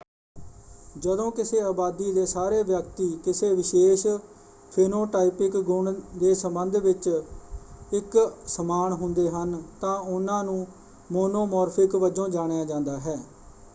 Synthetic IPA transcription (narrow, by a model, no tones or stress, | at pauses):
d͡ʒəd̪õːkɪseːaːbaːd̪iːd̪eːsaːɾeːʋjəkt̪iːkɪseːʋɪʃeːʃ | pʰeːnoːʈaːipɪkɡʊɳd̪eːsəmbənd̪ʋɪt͡ʃ | ɪksəmaːnɦʊnd̪eːɦənt̪ãːʊnãːnũː | moːnoːmɔːɾpʰɪkʋəd͡ʒõːd͡ʒaːɽ̃ejãːd͡ʒãːnd̪aːɦɛː